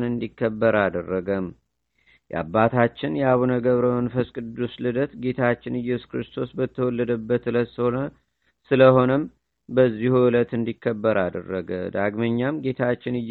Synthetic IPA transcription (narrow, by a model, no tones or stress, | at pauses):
nɨnd̪ikʰːəbːəɾad̪ərːəɡəm | jɛʔa̰bːat̪ʰat͡ʃːɪnjɛaβunəɡəβɾəwnfəskʼɨd̪ːuslɨd̪ət̪ɡe̞t̪ʰat͡ʃːɪnɨjːɛskɾɨst̪ʰo̞sbət̪ʰːəwɔlːəd̪əbːət̪ɨləshonə | sɨləho̞nəm | bəzːihuɨlət̪ɨnd̪ikʰːəbːəɾad̪ə̰rːəɡə̰d̪aɡməɲːamɡe̞t̪ʰat͡ʃːɪnɨj